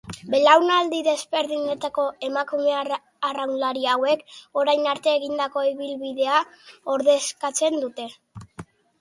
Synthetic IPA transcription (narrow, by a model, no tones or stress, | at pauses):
be̞lawnald̪iðe̞zβe̞ɾðiɲe̞t̪ako̞e̞makume̞ | arawnlaɾiawe̞ko̞ɾajnaɾt̪e̞ːɣind̪ako̞iβilβiðe̞ao̞ɾðe̞skat͡se̞nd̪ut̪e̞